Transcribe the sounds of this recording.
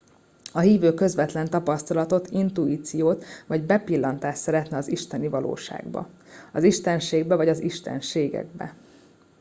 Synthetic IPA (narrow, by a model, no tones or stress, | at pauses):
ɒɦiːvøːkø̞zʋɛt̪lɛnt̪ɒpɒst̪ɒlɒt̪o̞t̪ʰint̪uiːt̪sijoːt̪vɒɟbɛpilːɒnt̪aːʃsɛɾɛt̪nɛɒziʃt̪ɛnivɒlo̰ːʃa̰ːɡbɒ̰ɒziʃt̪ɛnʃeːɡbɛvɒɟɒziʃt̪ɛ̰nʃeːɡɛ̰ɡ̚bɛ̰